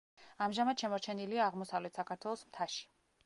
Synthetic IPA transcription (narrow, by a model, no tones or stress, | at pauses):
amʒamad̪̥ʃɛmɔɾt͡ʃʰɛniliaːʁmɔsavlɛt̪ʰsakʰaɾt̪ʰwɛlˠɔsmt̪ʰaʃi̥